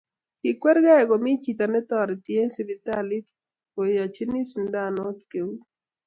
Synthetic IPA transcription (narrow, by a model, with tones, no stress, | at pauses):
ki˨kwɛ˦ɾɡa˦ɛ˨ɡɔ˨mi˦t͡ʃi˨t̪a˨nɛ˦t̪ɔ˨ɾtje˦si˨vi˨t̪a˦li˦t̪ | o˨ja˨t͡ʃi˦ni˦sn˦da˦˨no˦t̪ke˨u˦